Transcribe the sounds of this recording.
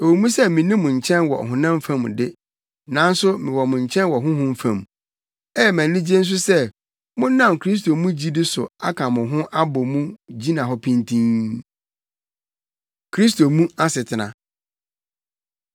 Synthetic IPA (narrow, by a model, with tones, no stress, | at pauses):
e˨wo˨mũ˦sɛ˦mɪ̃˨nĩ˦mʊ̃˨ɲ̩˨t͡ɕʰɛ̃˦nwɔ̰˨ɦʊ̃˨nã˦m˦fã˨m˨dɪ˦ | nã˨˦n̩˦sʊ˦mɪ̃˨wɔ˨mʊ̃˨ɲ˨t͡ɕʰɛ̃˦nwɔ˨ɦʊ̃˦ɦʊ̃˦m̩˦fã̰˨m | ɛ˦˨mæ̃˨n˨dĩ˦d͡ʑi˦e˦n̩˦s̬ʊ˦sɛ˦ | mʊ̃˦n˦nã˦mkʰɾi˦s̬tʰo˨mũ˦d͡ʑi˦dɪ˦sʊ˨a̰˦kʰã˨mʊ̃˨ɦʊ̃˦ʔa˦bɔ˨mũ˦d͡ʑi˦nã˨ɦɔ˦pʰĩ˦ntʰĩ˦n | kʰɾi˦s̬tʰo˨mũ˦a˦sɪ˨tʰɪ˨nã̰˨